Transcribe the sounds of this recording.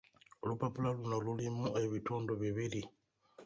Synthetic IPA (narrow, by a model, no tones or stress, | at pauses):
lupapulalunalulimuʔajβitʰoːndoβiβili